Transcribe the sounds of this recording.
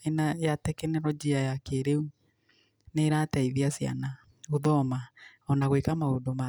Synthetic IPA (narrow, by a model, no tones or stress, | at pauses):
enajatɛkɛnɛɾɔd͡ʒiajakeɾeu | neɾataiðiasia̰na | oðɔmaɔnaɣwekamaodoma